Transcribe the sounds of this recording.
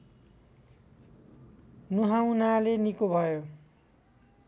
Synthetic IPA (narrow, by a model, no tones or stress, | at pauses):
nuɦaw̃nalenikobʱʌjo